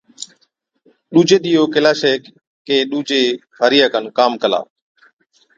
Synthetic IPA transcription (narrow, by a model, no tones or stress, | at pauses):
ɗuːd͡ʒeːɗ̪iːjoːkelaːʃeː | keːɗuːd͡ʒeː | ɦəɾɪjaːkənkaːmkəla̰ː